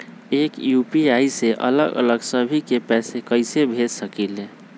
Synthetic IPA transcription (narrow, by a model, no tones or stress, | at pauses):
eːkjupiaiseʔə̰ləɡə̰ləɡsəbʱikepɛːsekəɪsebʱed͡ʒsəkile